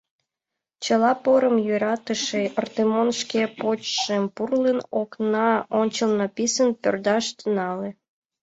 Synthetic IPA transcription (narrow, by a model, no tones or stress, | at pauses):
t͡ɕəlɑpoɾəmjyɾɑt̪əʃeərt̪emonʃkepot͡ɕʃempurlenoknɑonʲt͡ɕəlnɑpisənpø̰rd̪ɑʃt̪ənɑlĕ